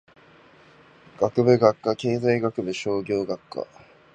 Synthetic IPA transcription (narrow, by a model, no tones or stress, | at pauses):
ɡ̥akɯ̟bɯ̟ɡakːake̞ːzaiɡakɯ̟bɯ̟ɕo̞ːɡʲo̞ːɡakːa̰